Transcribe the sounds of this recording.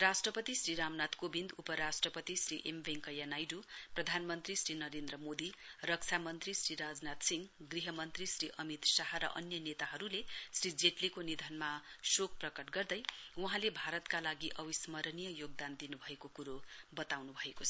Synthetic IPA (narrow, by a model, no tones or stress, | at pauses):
rasʈrʌpʌt̪isriɾamnat̪kobind̪upʌɾasʈrʌpʌt̪isriʔembeŋkʌjanajɖuprʌd̪ʱanmʌnt̪risɾinʌɾend̪rʌmod̪irʌkt͡sʰamʌnt̪risriɾad͡znat̪siŋɡɡriɦʌmʌnt̪risriʔʌmit̪saɦaɾʌ̰ʔʌnjʌnet̪aɦʌɾulesrid͡zeʈlikonid̪ʱʌnmasok̚prʌkʌʈɡʌrd̪ʌjuɦãlebʱaɾʌt̪kalaɡiʔʌwismʌɾnijʌjoɡ̚d̪and̪inubʱʌekokuɾobʌt̪awnubʱʌekot͡sʰʌ